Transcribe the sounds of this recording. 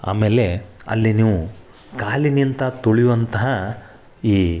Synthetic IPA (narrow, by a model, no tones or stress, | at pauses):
a̰ːmeːle̞ɐ̰lːiniːʋu | kaːlinint̪ɐt̪oɭijʋɐnt̪ɐɦɐ | iː